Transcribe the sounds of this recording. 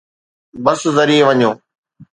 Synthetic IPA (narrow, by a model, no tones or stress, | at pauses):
bəszəɾiːeʋəɲoː